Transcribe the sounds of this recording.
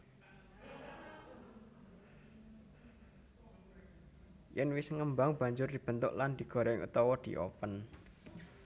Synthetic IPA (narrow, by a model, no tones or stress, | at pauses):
jɛnwɪsŋəmbaŋb̥a̤ɲd͡ʒʊrd̪̥i̤b̥ə̤nt̪ʊ̰ʔland̪̥i̤ɡ̥ɔ̤ɾaɪŋʔṵt̪ɔwɔd̪̥i̤̰ʔɔ̰pən